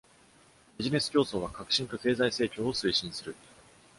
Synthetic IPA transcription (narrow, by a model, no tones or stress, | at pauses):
b̥ʲiʑine̞sɨ̥kʲo̞ːso̞ːβakakɯ̟ɕĩŋka̟ke̞ːzaise̞ːkʲo̞ːosɨiɕĩɰ̃sɨɾɯ̟